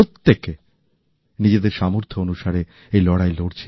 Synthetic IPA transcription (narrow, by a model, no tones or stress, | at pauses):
ot̪ːek | nid͡ʑed̪eɾʃamoɾt̪ʰoonuʃaɾe | ejlɔɽajloɽt͡ɕʰe